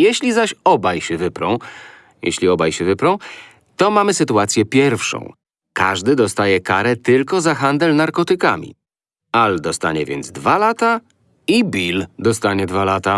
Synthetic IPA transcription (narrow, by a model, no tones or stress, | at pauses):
jeɕlʲizaɕɔbajɕɛvɘpɾɔ̰̃w̃ | jḛɕlʲiɔbajɕɛvɘpɾɔ̃w̃ | t̪ɔmamɘsɘt̪uat̪sʲjɛpʲjɛɾfʂɔ̰̃w̃ | ka̰ʐd̪ɘd̪ɔst̪ajɛkaɾɛt̪ɘlkɔzaxand̪ɛlnaɾkɔt̪ɘka̰mʲḭ | ald̪ɔst̪a̰ɲɛvʲjɛnd̪zd̪valat̪a | ibʲild̪ɔst̪aɲɛd̪valat̪a